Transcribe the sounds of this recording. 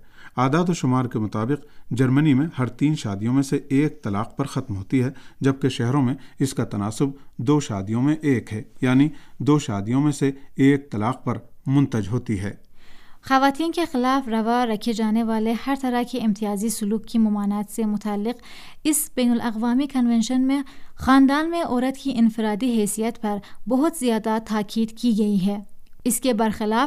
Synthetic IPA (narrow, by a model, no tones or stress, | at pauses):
aːd̪aːd̪oʃʊmaːɾkemʊt̪aːbɪqd͡ʒɐɾmənimẽhɐɾt̪iːnʃaːd̪ijõmẽseeːk̚t̪ɐla̰ːqpɐɾxɐt̪mɦoːt̪iɦɛd͡ʒɐb̚keʃɛɦɾõmẽɪskat̪ɐnaːsʊb̚d̪oːʃaːd̪ijõmẽʔeːkɦɛːjaːnid̪oːʃaːd̪ijõmẽseeːk̚t̪ɐlaːq̚pɐɾmʊ̃nt̪əd͡ʒɦoːt̪iɦɛ̰ːxɐʋaːt̪iːnkexɪlaːfɾɐʋaɾɐkʰed͡ʒaːneʋaːlehɐɾt̪ɐɾakeɪ̃mt̪ijaːzisʊluːkkimʊmaːnaːt̪semʊt̪aːlːɪq | ɪsbɛːnʊlʔɐqʋaːmikɐnʋɛ̃nʃənmẽxaːnd̪aːnmẽʔoːɾɐt̪kiʔɪnfɪɾaːd̪iɦɛːsijət̪pɐɾbɐɦʊt̪zijaːd̪at̪ʰaːkʰiːd̪kiɡɐiɦɛːɪskebɐɾxɪlaː